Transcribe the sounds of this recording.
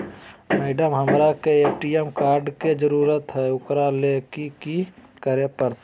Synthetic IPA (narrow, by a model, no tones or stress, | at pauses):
meːɖəmɦəmɾakeeːpʈiemkaːɾɖked͡ʒəɾuːɾət̪ɦɛʊkɾalekiki | kəɾepəɾt̪